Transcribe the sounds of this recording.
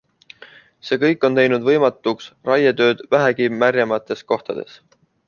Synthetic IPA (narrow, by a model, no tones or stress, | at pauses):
se̞ːkɤ̞jkːˑo̞nt̪e̞jnud̪vɤjmɑt̪ːˑuksrɑjɑt̪ø̞ːd̪̥væɦæɡimæɾʲjɑmɑt̪ːˑe̞sko̞ht̪ɑd̪̥e̞̰s